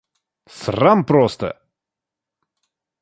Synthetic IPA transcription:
srampɾost̪ə̰

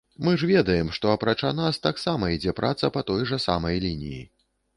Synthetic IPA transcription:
mɨʐvʲɛd̪ɐjɛmʂt̪ɔɐpɾat͡ʂanast̪aksamɐid͡zʲɛpɾʔat̪sɐpɐt̪ɔjʐɐsa̰mɐjlʲinʲḭjḭ

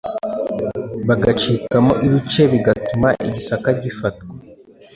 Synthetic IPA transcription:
βaɡat͡ʃikamoʔiɾut͡ʃe̞βiɡatumaʔiɟisakaɟifatɡwe

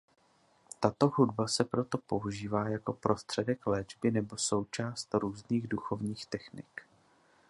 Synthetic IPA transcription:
t̪at̪o̞ɦudbasɛpɾo̞t̪o̞po̞uʒiːvaːjako̞pɾo̞st̪r̝̥ɛdɛklɛːd͡ʒbɪnɛbo̞so̞wt͡ʃaːst̪ɾuːzniːɣduxo̞vɲiːxt̪ɛxnɪ̰k

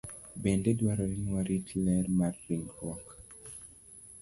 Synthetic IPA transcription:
bɛndedwaɾɔɾinwaɾitʰilɛɾmarːiŋɡɾwɔk

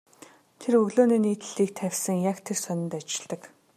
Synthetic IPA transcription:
t̪ʰerɵɣɮoːniːniːt̪ɘ̆ɮiːk̚t̪ʰæwʲsə̆ŋjakt̪ʰersœnʲɪ̆nt̪at͡ɕɪ̆ɮt̪ə̆k

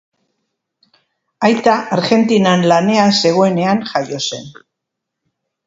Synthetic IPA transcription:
ajt̪aʔaɾɣe̞nt̪inanlane̞ase̞ɣ̞o̞e̞ne̞aŋʝajo̞se̞̰n

